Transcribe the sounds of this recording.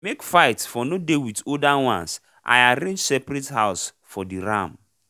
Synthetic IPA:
mekfaɪtfɔnodewitodawã̰ns | ʔa̰jaɾẽnsɛpɾɛtɦaʊs | fɔdiɾã̰m

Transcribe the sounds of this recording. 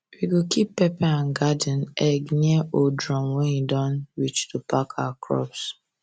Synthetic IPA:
wiɡokipːɛpaãnɡadə̃n̩ɛɡniaodɹɔ̃mwɛ̃njidɔ̃nɹit͡ʃtʰupakʰawakʰɹɔ̰ps

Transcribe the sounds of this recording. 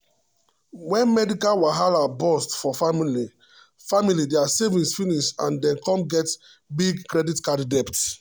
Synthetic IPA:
wɛ̃nmɛdikalwaɦalabɔstfɔfamili | familideasevĩnsfiniʃãndɛ̃nkɔ̃mɡɛt | biɡkɾɛditkaddɛpt

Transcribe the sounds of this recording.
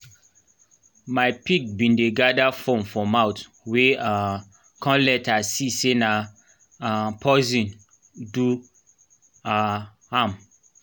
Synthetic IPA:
maɪpik̚bĩndeɡadafõmfɔ̃mawt | wea | kʰãlɛtasisena | apʰɔzĩn | du | a | ham

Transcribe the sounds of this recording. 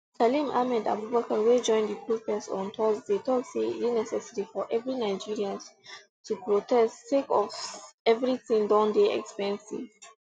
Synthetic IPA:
salĩmamɛda̰bubakawed͡ʒɔ̃ɪ̃ndipɹupɛsɔ̰̃ntʰɔzdetɔtsḛtinɛsɛsɛɹifɔʔɛvɹinaɪd͡ʒiɹiãn | tʰupɹotɛsttekɔvɛvɹiθĩŋdãʊndeɛ̰kspɛ̃nsḭv̥

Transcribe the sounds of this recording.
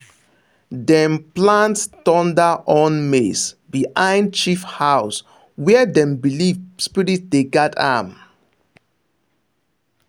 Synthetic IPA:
dɛ̃mplãnttɔ̃ndaʔɔ̃nmesbihãɪ̃nd̚t͡ʃifhaʊs | wɛɛdɛ̃mbilivspiɹitdeɡɛtʰã̰m

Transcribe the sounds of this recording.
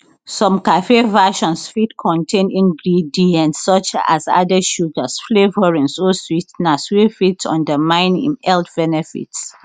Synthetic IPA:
sɔ̃mkafevɛʃɔ̃nsfitkʰɔ̃ntʰẽnĩŋɡɹidiãnsɔt͡ʃa̰za̰dəʃutəsflevəɹĩnsoswitnaswifitɔ̰̃ndəmãɪ̃nḭ̃nɛltbɛnɛfḭts

